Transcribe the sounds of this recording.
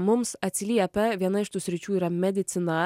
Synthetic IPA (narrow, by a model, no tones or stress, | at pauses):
mʊmsɐt̪ʲsʲlʲiɛpʲɛʋʲiɛnɐɪʃt̪uːsʲɾʲɪt͡ʃʲuːiːɾɐmʲɛd̪ʲɪt̪sʲɪnɑ